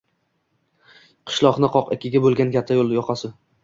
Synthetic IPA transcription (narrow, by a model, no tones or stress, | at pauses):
qʰɨ̥ʃlˠɒqnɪqʰɒqɪkʲʰɪɡʲabolˠɡʲankʲʰat̪ʰːajolˠjɒqʰɑsɪ